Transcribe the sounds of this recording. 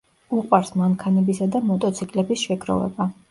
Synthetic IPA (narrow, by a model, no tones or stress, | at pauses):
uqʼwaɾsmaŋkʰanɛbisad̪amɔt̪ʼɔt̪sʰikʼlɛbisʃɛɡɾɔ̰vɛ̰ba